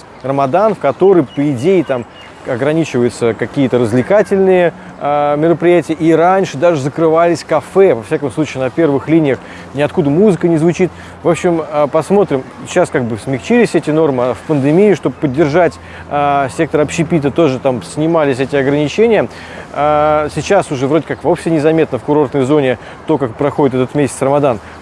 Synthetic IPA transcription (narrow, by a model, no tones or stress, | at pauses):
rəmɐd̪anfkɐt̪o̞ɾəjpəɪdʲejɪt̪am | ɐɡɾɐnʲit͡ɕɪvəjʊt̪səkɐkʲijət̪əɾəzvlʲɪkatʲɪlʲnɨjə | mʲɪɾəpɾʲɪjætʲɪjəʔiɾanʲʂɨd̪aʐɨzəkɾɨvalʲɪsʲkɐfɛvɐfsʲakəmslˠut͡ɕɪːnɐpʲe̞rvɨxlʲinʲɪjəx | nʲɪɐt̪kud̪əmuzɨkənʲɪzvʊt͡ɕit̪ | vo̞pɕːɪməpɐsmo̞t̪ɾʲɪm | ɕːaskaɡ̚bɨsmʲɪxt͡ɕilʲɪsʲɛtʲɪno̞rmɨɐfpənd̪ɨmʲijɪʂt̪o̞bəpədʲːɪrʐatʲ | əsʲe̞k̚t̪əɾɐpɕːɪpʲit̪̬ət̪o̞ʐɨt̪amsʲnʲɪmalʲɪs̬ʲɛtʲɪɐɡɾənʲɪt͡ɕenʲɪjə | sʲɪt͡ɕasʊʐɛvɾodʲɪkakvopsʲɪnʲɪzɐmʲe̞t̪nəfkʊɾo̞rt̪nəjzo̞nʲɪ | t̪o̞kakpɾɐxo̞dɪt̪ɛt̪ət̪mʲesʲɪtsrəmad̪an